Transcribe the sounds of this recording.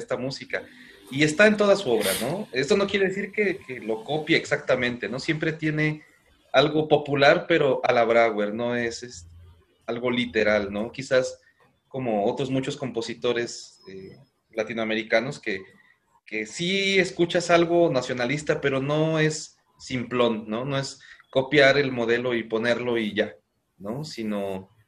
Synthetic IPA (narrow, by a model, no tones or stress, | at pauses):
st̪amusika | ie̞st̪aent̪o̞ð̞asuo̞βɾano̞e̞st̪o̞no̞kjeɾe̞ðesiɾke̞kelo̞ko̞pjeːksak̚t̪amẽ̞nt̪e̞no̞sje̞mpɾe̞t̪je̞ne̞ | alɣo̞po̞pulaɾpe̞ɾo̞ʔalaβɾaɣwe̞ɾno̞e̞sest̪e | alɣo̞lit̪e̞ɾalno̞kisas | ko̞mo̞o̞t̪ɾo̞zmut͡ʃo̞sko̞mpo̞sit̪o̞ɾe̞se | lat̪inowame̞ɾikano̞ske̞ | kesieskut͡ʃasalɣo̞nasjo̞nalist̪ape̞ɾo̞no̞e̞sː | implo̞nːo̞no̞e̞sko̞pjaɾe̞lmo̞ð̞e̞lo̞ipo̞ne̞ɾlo̞iʝa | no̞sino